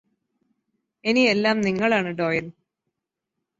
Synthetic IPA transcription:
enie̞lːaːmniŋːɐɭaːɳɨɖo̞ːjil

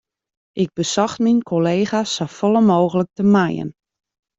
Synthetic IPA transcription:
ʔɪɡ̚bəsɔxtminkʰoleːɣasːafɔlˠəmoːɣələk̚təmajə̰n

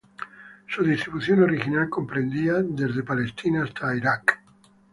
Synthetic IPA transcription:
suð̞ist̪ɾiβuθjo̞noɾixinalko̞mpɾẽ̞nd̪iaðe̞zðepalest̪inaːst̪ʰaiɾak

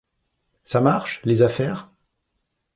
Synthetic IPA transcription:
samaʁʃlezafɛːʁ

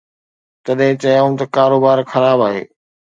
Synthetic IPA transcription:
t̪ɐɗɦɪ̃t͡ɕɐjãːt̪ɐkaːɾoːbaːɾxʰɐɾaːbaːɦḛː

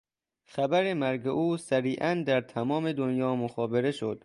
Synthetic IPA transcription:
xæbæɾemæɾɡeʔuːsæɾiːʔænd̪æɾt̪ʰæmɒːme̞d̪onjɒːmoxɒːbe̞ɾe̞ʃod̪̥

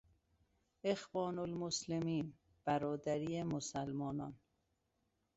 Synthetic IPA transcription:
exbɒːnolmoslemiːn | b̥æɾɒːd̪æɾiːemosælmɒːnɒ̰ːn

